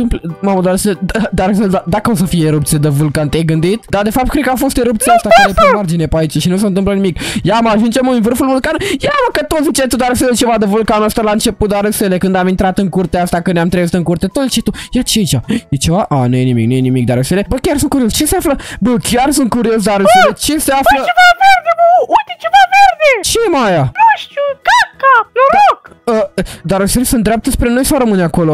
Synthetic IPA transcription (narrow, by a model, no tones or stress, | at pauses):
ɨmpmamud̪aɾəseled̪aɾəseld̪ad̪akəos̬əfijeeɾup̚t̪sied̪əvulkant̪ejɡɨnd̪it̪d̪ad̪e̞fap̚t̪kɾed̪̚kəafo̞st̪eɾup̚t̪siast̪akd̪epɾimard͡ʒinepait͡ʃaʃinus̬ənt̪ɨmplənimikjamaʒund͡ʒemunvɨrfulvulkanujaməkət̪ot̪zit͡ʃet̪ud̪aɾəselet͡ʃe̞vad̪əvulkanəst̪alaɨnt͡ʃe̞put̪̚d̪aɾeselekɨnd̪amint̪ɾat̪ɨŋkurt̪east̪akɨnneamt̪ɾezit̪ɨŋkurt̪et̪ot̪zit͡ʃet̪ujat͡ʃet͡ʃajet͡ʃevaʔanujenimiknujenimikd̪a̰ɾeselebəkʲarsunkuɾiost͡ʃeseafləbəkʲjarsunt̪̚kuɾios̬d̪aɾəselet͡ʃeseaflət͡ʃevaverd̪ebəujt̪et͡ʃevaverd̪et͡ʃemajanoʃt̪ukap̚kaploɾokəd̪aɾəselesũnd̪ɾʲeap̚t̪əspɾeno̞jsawɾəmɨnakolo